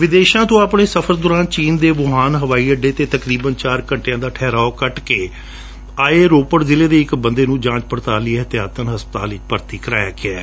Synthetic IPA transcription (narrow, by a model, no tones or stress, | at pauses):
ʋɪd̪eːʃãːt̪õːaːpɳeːsəpʰəɾd̪oːɾãːnt͡ʃiːnd̪eːʋʊɦaːnɦəʋaːiːəɖeːt̪eːt̪əkɾiːbənt͡ʃaːɾkəɳʈejãːd̪aːʈʰɛːɾaːoːkəʈkeː | aːeːɾoːpəɽzɪleːd̪eːɪkbənd̪eːnũːd͡ʒãːt͡ʃpəɾt̪aːlieɦət̪ɪjaːt̪ənɦəspət̪a̰ːlɪt͡ʃpəɾt̪iːkəɾa̰ːja̰ːkɪɛː